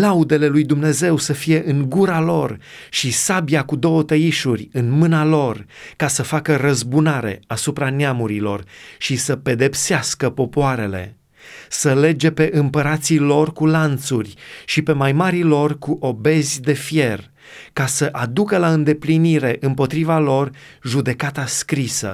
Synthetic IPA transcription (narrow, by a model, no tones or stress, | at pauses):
laud̪e̞le̞lujd̪umne̞ze̞wsəfije̞ʔɨŋɡuɾalo̞rʃisabiakud̪o̞wət̪əiʃurʲɨnmɨnalo̞rkasəfakəɾəzbunaɾe̞̰asupɾaneamuɾilo̞̰rʃisəpe̞d̪epseaskəpo̞poaɾe̞le̞̰ | səle̞d͡ʒe̞pe̞ʔɨmpəɾat̪silo̞rkulant̪surʲʃipe̞majmaɾilo̞rkuʔo̞be̞zʲd̪e̞fje̞r | kasəʔad̪ukəlaɨnd̪e̞pliniɾe̞ʔɨmpo̞t̪ɾivalo̞rʒud̪e̞kat̪askɾisə̰